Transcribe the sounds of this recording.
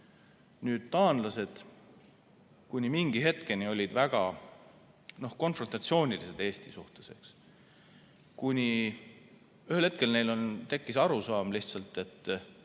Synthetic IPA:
nyːd̪̥t̪ɑːnd̪lɑse̞d̪̥ | kunʲimiŋɡ̥iɦe̞t̪ke̞nʲio̞lʲid̪̥væɡ̥ɑ | no̞hko̞nfront̪ɑt̪sio̞ːnʲilise̞d̪e̞ːst̪isuht̪e̞̥se̞̰ks | kunʲi | yhe̞lhe̞t̪̚ke̞lne̞jlo̞nt̪e̞kːisɑɾusɑːmliht̪sɑlt̪ːe̞t̪ːˑ

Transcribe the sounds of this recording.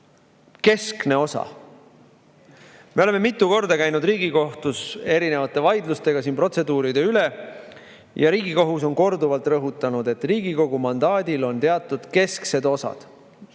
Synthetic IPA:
ke̞skne̞o̞sɑ̰ | me̞ole̞me̞mit̪ːˑuko̞rd̪̥ɑkæjnud̪riːɡ̥iko̞ht̪use̞ɾine̞vɑt̪ːˑe̞vɑjd̪lust̪e̞ɡ̥ɑsiːnpro̞t̪se̞d̪uːɾid̪e̞yle | jʔɑɾiːɡ̥iko̞ɦus̬o̞nko̞rd̪uvɑlt̪ˑrɤɦut̪ːˑɑnud̪e̞t̪ːˑriːɡiko̞ɡ̥umɑnd̪̥ɑːd̪̥ʲilo̞nt̪e̞ɑt̪ːˑud̪̥ke̞skse̞d̪̥o̞sɑ̰d̪̥

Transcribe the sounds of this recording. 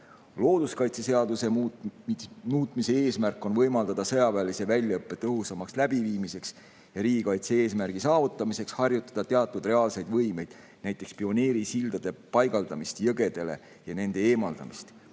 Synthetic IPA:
lo̞ːd̪̥uskɑjt̪sese̞ɑd̪use̞ | muːt̪ˑmise̞eːsmærkːˑo̞nvɤ̞jmɑld̪ɑd̪̥ɑsɤjɑvæːlise̞vælʲjɑɤpːe̞t̪ɤɦusɑmɑkslæb̥iviːmise̞ks | jɑɾiːɡikɑjt̪se̞e̞ːsmærɡ̥isɑːvut̪ːˑɑmise̞kshɑrjut̪ːˑɑ̥d̪̥ɑt̪e̞ɑt̪ːˑud̪re̞ɑːlse̞jd̪̥vɤ̞jme̞jd̪̥ | næjt̪ːˑe̞kspio̞neːɾisild̪̥ɑd̪̥e̞pɑjɡɑld̪ɑmist̪jɤɡe̞d̪̥e̞le̞̰ | jɑne̞nd̪̥e̞eːmɑld̪̥ɑ̰mist̪

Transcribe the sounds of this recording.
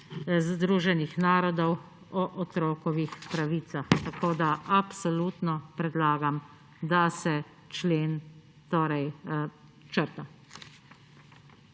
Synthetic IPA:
zd̪ɾuːʒɛnixnaːɾɔd̪ɔw | ɔʔɔt̪ɾɔːkɔʋixpɾaʋiːt̪saxt̪akʰoːd̪aʔapsɔlut̪nɔpɾɛd̪laːɡam | d̪asɛ | t͡ʃleːn | t̪oːɾɛj | t͡ʃəɾt̪a

